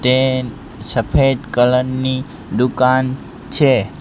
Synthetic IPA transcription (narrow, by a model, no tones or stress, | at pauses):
t̪e | səpʰed̪kələnːi | d̪ukan | t͡ʃʰe